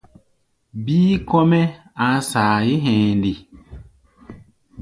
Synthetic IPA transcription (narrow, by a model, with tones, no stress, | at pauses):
biː˦kɔ˦mɛ˦ | a˨˦saː˨ji˦ɦɛ̃ː˨ndi˨